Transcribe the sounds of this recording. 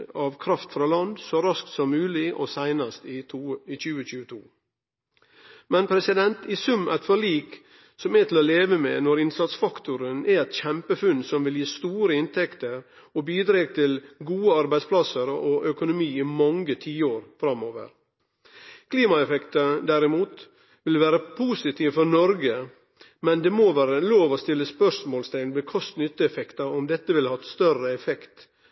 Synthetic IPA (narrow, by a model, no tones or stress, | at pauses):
ɑːʋkʰɾɑft̪fɾɑːlɑnd̪sɔɾɑskt̪sɔmːʉːlɪʔɔ̰sæɪnɑst̪ɪt̪ʰuit͡ʃʉːəçʉːət̪ʰṵː | mɛnpʰɾɛsɪd̪ɛnt̪ɪsʉmːæ̰t̪fɔɭiːk | sɔmɛt̪ʰɪl̩ɔleːʋəmenɔɾɪnsɑt̪sfɑkt̪ʊɾənæɛt̪çɛmpəfʉnsɔmʋɪljiːst̪uːɾəɪnt̪ʰɛkt̪əɾ | ɔbiːd̪ɾeːɡ̚t̪ʰɪlɡuːəɑɾbæɪspʰlɑsəɾɔʔœkʊnʊmiːɪmɑŋɡət̪ʰiːəoːɾfɾɑmoːʋə̰ɾ | kʰliːmɑɛfɛkt̪əd̪æɾɪmuːt̪ | ʋɪlʋæːɾəpʰuːsɪt̪ʰiːʋfɔɾnɔɾɡə | mɛnd̪ɛmoːʋæːɾəloːʋɔst̪ɪlːəspœʂmoːlst̪ʰæɪlnbɛkʰɔst̪nʏt̪ːəɛfɛkt̪ɑɔmd̪ɛt̪ːəʋɪlhɑt̪st̪œrəɛfɛkt̪